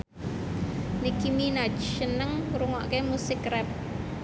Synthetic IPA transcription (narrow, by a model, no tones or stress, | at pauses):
nikiminad͡ʒʃənəŋruŋɔʔkemusɪkrɛp̚